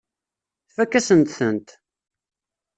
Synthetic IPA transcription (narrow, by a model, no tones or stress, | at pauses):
θfækːæsənt̪θənt̪